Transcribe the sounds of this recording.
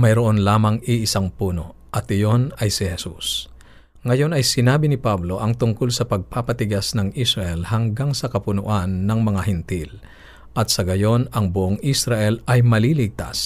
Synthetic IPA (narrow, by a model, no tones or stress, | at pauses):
mɐjɾoʔo̞nlaːmɐŋiʔɪsaŋpuːno̞̰ | ʔɐt̪ʔɪjo̞nɐjsɪhɛsus | ŋɐjo̞nɐjsɪnaːbɪnɪpablo̞ʔɐŋt̪ʊŋkolsɐpɐɡ̚paːpɐt̪ɪɡasnɐŋʔisɾɐʔɛlhɐŋɡaŋsɐkɐpʊnʊʔanːɐŋmɐŋaɦɪnt̪il | ʔɐt̪sɐɡɐjo̞nɐŋbʊʔoŋisɾɐʔɛlɐjmɐlilɪɡ̚t̪a̰s